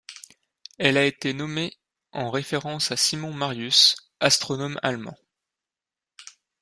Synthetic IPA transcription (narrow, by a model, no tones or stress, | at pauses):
ɛlaet̪enɔme | ɑ̃ʁefeʁɑ̃sasimɔ̃maʁjys | ast̪χɔnɔma̰lmɑ̰̃